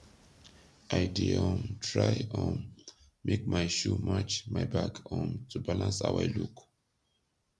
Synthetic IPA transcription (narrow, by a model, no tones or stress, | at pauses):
ʔajdiɔ̃ntʰɹajɔ̃n | mek̚majʃumat͡ʃmajbakʰɔ̃ntʰubalãnsa̰wajluk